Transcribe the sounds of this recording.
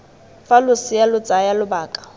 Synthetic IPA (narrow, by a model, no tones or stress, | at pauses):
falʊsɪjalʊt͡sʼajalʊbaːkʼḁ